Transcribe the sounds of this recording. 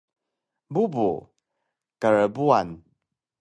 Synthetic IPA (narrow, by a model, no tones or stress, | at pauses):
bubṵ | kəɾəbuan